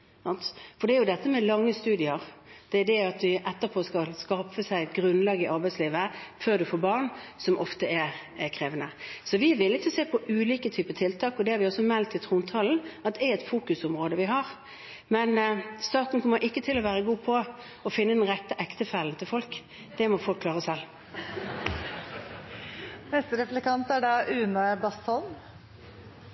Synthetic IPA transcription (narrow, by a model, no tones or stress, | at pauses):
ɑnt̪fɔd̪ɛæɾjʊd̪ɛt̪ːəmɛlɑŋːəst̪ʉːd̪ɪəʁd̪̥ɛæd̪ɛɑt̪ʋɪʔɛt̪ːəpʰoːskɑlskɑfəsæɪt̪ɡɾʉnlɑɡɪʔɑɾbæɪsliːʋəføːʁd̪ʉfoːɾbɑʁnsɔmʔɔft̪əɛɾkʰɾeːʋənəsɔʋɪʋɪlːɪt̪ːɔseːpʰɔʔʉːliːkət̪ʰyːpət̪ʰɪlt̪ʰɑːkɔd̪ɛhɑɾʋɪɔsːɔmɛlt̪ɪt̪ʰɾuːnt̪ʰɑln̩ɑt̪̚d̪ɛæɛt̪fuːkʉsɔmʁoːd̪əʋɪɦɑʁ | mɛnst̪ɑːt̪n̩kʰɔmːəɾʔɪkːət̪ʰɪlɔʋæːɾəɡuːpʰɔ | ɔfɪnːəd̪ɛnʁɛt̪ːəʔɛkt̪əfælnt̪ʰɪlfɔlk | d̪̥ɛmɔfɔlkʰːlɑːʁəsɛl | nɛst̪əɾɛflɛkɑnt̪æɖɑːʔʉːnəbɑst̪ɔlm